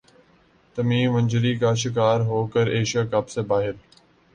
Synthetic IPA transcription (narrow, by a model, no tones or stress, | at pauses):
t̪əmiːʋənʲd͡ʒəɾiːkaːʃɪkaːɾɦoːkəɾeːʃakapseːbaːɦɪɾ